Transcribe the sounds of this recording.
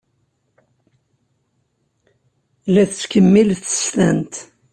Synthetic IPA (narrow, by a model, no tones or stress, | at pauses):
læθt͡skəmːilθə̥st̪ænt̪